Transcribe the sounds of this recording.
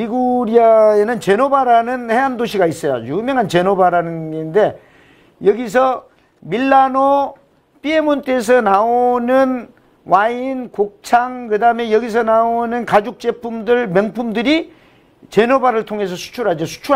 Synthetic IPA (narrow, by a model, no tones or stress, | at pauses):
iɡuɾiaenɯnt͡ɕe̞nobaɾanɯnhe̞ɦandoɕʰiɡais͈ʌjo̰jumjʌŋɦant͡ɕe̞nobaɾanɯnɡende̞ | jʌɡis̬ʰʌ | milːano | p͈ie̞munt͈es̬ʰʌnaonɯn | wainkok̚t͡ɕʰaŋkɯdaɯme̞jʌɡis̬ʰʌnaonɯnkad͡ʑuk̚t͡ɕ͈e̞pʰumdɯɭmjʌŋpʰumdɯɾi | t͡ɕe̞nobaɾɯɭtʰoŋɦe̞s̬ʰʌsʰu̥t͡ɕʰuɾad͡ʑʌsʰu̥t͡ɕʰu